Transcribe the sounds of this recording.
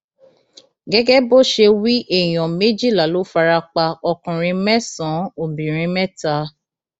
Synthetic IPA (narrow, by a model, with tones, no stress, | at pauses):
ɡɛ˦ɡɛ˦bo˦ʃe˧wi˦ʔɛ˦˨j̃ɔ̃˨me˦d͡ʒi˦˨la˨lo˨˦fa˧ɾa˧k͡pa˧ɔ˧kũ˨ɾ̃ĩ˧mɛ˦sɔ̃˨˦o˨bĩ˨ɾ̃ĩ˧mɛ̃˦ta˦